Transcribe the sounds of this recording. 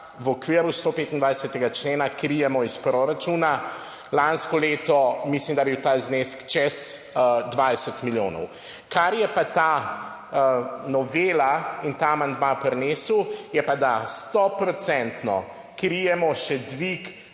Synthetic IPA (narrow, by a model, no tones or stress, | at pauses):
wɔkʋiəɾust̪oːpeːt̪ind̪ʋajsət̪ɛɡat͡ʃleːnakɾijɛmɔispɾoɾat͡ʃuːna | lanskɔleːt̪ɔmislimd̪abiwt̪aːzneskt͡ʃɛz | d̪ʋajsɛt̪miljoːnɔ̰w | kaɾjɛpat̪a | nɔʋelaint̪amand̪mapɾɛnesuwjɛpad̪ast̪ɔpɾɔt̪sɛnt̪nɔ̰ | kɾijɛmɔʃɛd̪ʋik